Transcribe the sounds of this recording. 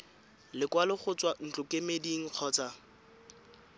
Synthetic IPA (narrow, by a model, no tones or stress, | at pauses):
lɪkwalɪχʊt͡swan̩t͡ɬʼʊkemediŋ̩q͡χʰɔːt͡sa